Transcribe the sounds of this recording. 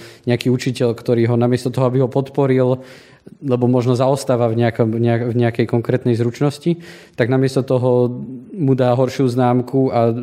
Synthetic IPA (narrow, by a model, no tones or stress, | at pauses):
ɲɛakiːut͡ʃicɛʎkt̪ɔɾiːɦɔnamɪɛst̪ɔt̪ɔɦɔabiɦɔpɔt̪pɔɾil | lɛbɔmɔʒnɔzaɔst̪aːʋavɲɛakɔmɲɛavɲɛakɛjkɔŋkɾɛːt̪nɛjzɾut͡ʃnɔscit̪aɡnamɪɛst̪ɔt̪ɔɦɔmud̪aːɦɔɾʃjuznaːmkua